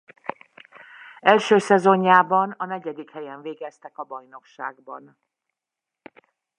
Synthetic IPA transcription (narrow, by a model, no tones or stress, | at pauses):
ɛlʃøːsɛzo̞ɲːaːbɒnɒnɛɟɛd̪ikhɛjɛɱveːɡɛst̪ɛkɒbɒjno̞kʃaːɡbɒn